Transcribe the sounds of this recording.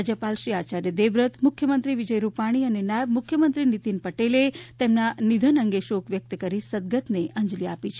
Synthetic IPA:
ad͡ʒəpalʃɾiat͡ʃaɾjəd̪eʋɾət̪ʰmʊkʰjəmənt̪ɾiʋid͡ʒəjɾupaɽ̃iənenaebmʊkʰjəmənt̪ɾinit̪inpəʈelet̪emnanid̪ʱənəŋɡeʃokʋjək̚t̪əkəɾisəd̪̚ɡət̪neʔəɲd͡ʒliapit͡ʃʰe

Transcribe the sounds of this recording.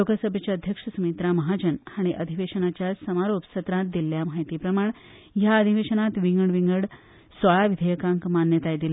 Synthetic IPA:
lokəsəbʱjət͡ɕjaəd̪ʱjəkʂəsumit̪ɾaməɦad͡ʑənaɽ̃iʔəd̪ʱiʋeʂənat͡ɕjasəmaɾopsət̪ɾãt̪̚d̪ilːjamaɦjt̪iːpɾəmaɳ | jaəd̪ʱiʋeʂənat̪ʋiŋɡəɳʋiŋɡəɽ | sʋəɭaʋid̪ʱəjəkãŋkmanjət̪ajed̪ila

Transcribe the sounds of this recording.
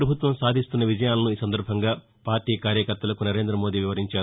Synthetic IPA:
ɾɐbʱut̪ʋɐmsaːd̪ʱist̪unːɐʋid͡ʒɐjaːlɐnuiːsɐnd̪ɐɾbʱɐŋɡaː | paːɾʈiːkaːɾjɐkɐɾt̪ɐlɐkunɐɾe̞ːnd̪ɾɐmo̞ːd̪iːʋiʋɐɾiɲt͡ʃaːɾu

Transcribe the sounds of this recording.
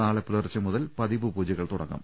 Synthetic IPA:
aːɭɐpːilɐrit͡ɕːɐmuðɐlpɐðibɨpuːd͡ʑɐɣɐɭt̪uɽɐŋːɐ̰m

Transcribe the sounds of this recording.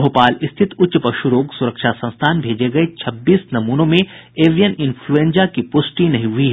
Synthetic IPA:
ɦopaːlɪst̪ʰɪt̪ʊtːʃpɐʃʊɾoːɡsʊɾəkʃasɐ̃nst̪ʰaːnbʱeːd͡ʒeɡɐet͡ʃʰɐbːiːsnɐmuːnõmẽeːʋijənɪnfʰluẽːnd͡ʒakipʊsʈinɐɦĩɦʊiɦɛ

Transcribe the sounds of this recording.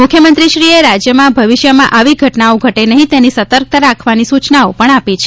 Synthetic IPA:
mʊkʰjəmənt̪ɾiʃɾieɾad͡ʒjəmãbʱəʋiʃjəmãʔaʋiɡʱəʈnaoɡʱəʈenəɦĩt̪enisət̪əɾk̚t̪ʰəɾakʰʋanisut͡ʃnaopəɳapit͡ʃʰe

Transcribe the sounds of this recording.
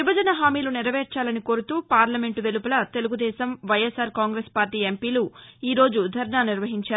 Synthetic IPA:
ʋibɐd͡ʒɐnɐɦaːmiːluniɾɐʋeːɾt͡ʃaːlɐnikoːɾut̪uːpaːɾlɐme̞ɳʈʋe̞lupulɐt̪e̞luɡud̪ɛːʃɐmʋɐjesaːɾkaːŋɡɾeːspaːɾʈiːe̞mpiːluiːɾo̞ːd͡ʒud̪ʱɐɾɳaːniɾʋɐɦiɲt͡ʃaːɾ

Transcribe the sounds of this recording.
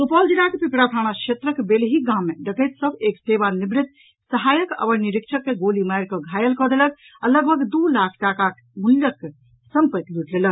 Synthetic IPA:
supɔld͡ʒiɽakepikɽapʰaɽ̃akʰet̪ɾəkbelɦiɡãmːeɖəkət̪səbʱekseβanibɾit̪̚ | səɦajəkə̰bəɾniɾik̚t͡ʃʰəkːeɡolimajɾkəɡʱajəlkɔd̪elək̚ | aləɡ̚bʱəɡd̪ulakʰʈakak | muljəkːe | səmpət̪luʈlelək̚

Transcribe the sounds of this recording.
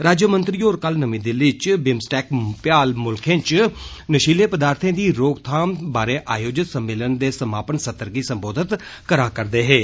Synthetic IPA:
ɾaːd͡ʒəmə̃nt̪ɾiːoːɾkəlnəmĩːd̪elɪt͡ʃbɪmsʈɛːkpjaːlmʊlkʰẽːt͡ʃnəʃiːleːpəd̪aːɾt̪ʰẽːd̪iːɾoːkt̪ʰaːmbaːɾeːʔaːjoːd͡ʒɪt̪səmːeːlənd̪eːsəmaːpənsət̪əɾɡiːsəmboːd̪ʱɪt̪kəɾaːkəɾd̪eːɦeː

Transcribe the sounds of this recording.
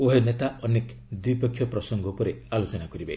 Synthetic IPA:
oɦenet̪aɔnek | d̪wipɔkʰːjɔpɾɔsɔŋɡɔpɔɾealot͡ʃɔnakɔɾibe

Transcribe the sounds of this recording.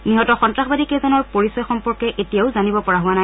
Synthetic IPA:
niɦɔtɔxɔntɹaxbadikezɔnɔɹpoɹisɔjxɔmpɔɹkɛʔetijaʊzanibɔpɔɹaɦʊwanaj

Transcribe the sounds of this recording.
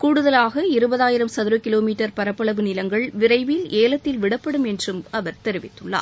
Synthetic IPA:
kuːɽɯðɐlaːɣɐɪɾɯbɐðaːjɪɾɐmsɐðɯɾɯkɪloːmiːʈːɐɾpɐɾɐpːɐɭɐʋɯnɪlɐŋɡɐɭʋɪrɐɪʋɪleːlɐt̪ːɪlʋɪɽɐpːɐɽɯmɛndrɯmɐʋɐɾt̪ɛɾɪʋɪt̪ːɯɭːa̰ːɾ

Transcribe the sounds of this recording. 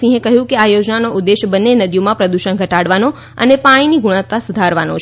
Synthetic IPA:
ĩɦẽkəɦjũkeajod͡ʒnanoʔʊd̪ːeʃbənːenəd̪ijomãpɾəd̪uʃənɡʱəʈaɽʋano | ə̰nepaɽ̃iniɡuɽ̃at̪ːasud̪ʱaɾʋano̰t͡ʃ

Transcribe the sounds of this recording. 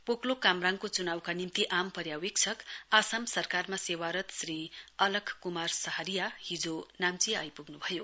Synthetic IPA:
poklokamraŋkot͡sunawkanimt̪iʔampʌɾjawek̚t͡sʰʌkasamsʌrkarmasewaɾʌt̪sriʌlʌkʰkːumarsʌɦʌɾijahid͡zonamt͡siʌjpuɡnubʱʌjo

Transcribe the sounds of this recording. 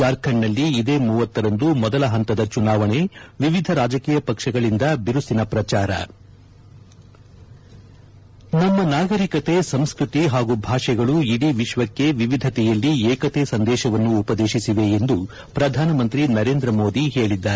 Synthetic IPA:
aːɾkʰɐɳːɐlːiːd̪eːmuːʋɐt̪ːɐɾɐnd̪umɔd̪ɐlɐɦɐnt̪ɐd̪ɐt͡ʃunaːʋɐɳe̞ʋiʋid̪ʱɐɾaːd͡ʒɐkiːjɐpɐkʂɐɡɐɭind̪ɐbiɾusinɐpɾɐt͡ʃaːɾɐ̰ | nɐmːɐnaːɡɐɾikɐt̪e̞sɐmskɾut̪iɦaːɡubʱaːʂɛɡɐɭuiɽiʋiʃʋɐkːe̞ʋiʋid̪ʱɐt̪ɛjɐlːieːkɐt̪esɐnd̪ɛːʃɐʋɐnːuːpɐd̪eːʃisiʋe̞end̪u | pɾɐd̪ʱaːnɐmɐnt̪ɾinɐɾe̞ːnd̪ɾɐmo̞ːd̪iɦe̞ːɭid̪ːaːɾ

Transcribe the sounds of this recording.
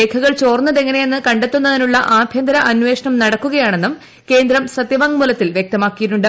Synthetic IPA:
eːkʰɐɣɐɭt͡ɕo̞ːrnːɐðe̞ŋːɐne̞jenːɨkɐɳɖet̪ːunːɐðinuɭːɐʔaːbʱjɐnd̪ɐɾɐʔɐnʋe̞ːʂɐɳɐmnɐɽɐkːuɣɐjaːɳe̞nːum | ke̞ːnd̪ɾɐmsɐd̪jɐʋɐŋmulɐt̪ːilʋjek̚t̪ɐmaːkːijiʈːuɳɖɨ

